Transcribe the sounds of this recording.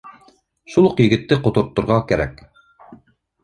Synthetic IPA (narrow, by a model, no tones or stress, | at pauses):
ʃulˠuqjiɡʲɪt̪ːɪqot̪oɾt̪ːuɾʁɑkʲæɾɛ̰k̚ʲ